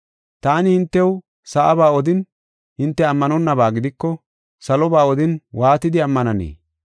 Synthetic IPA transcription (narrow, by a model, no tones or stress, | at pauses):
t̪aːnɪhɪnt̪ːɛw | sɐʔɐbaːɔd̪ɪn | hɪnt̪ːɛɐmːɐnɔnːɐbaːɡɪd̪ɪkːɔ | sɐlɔbaːɔd̪ɪnwaːt̪ɪd̪ɪɐmːɐnɐnḛː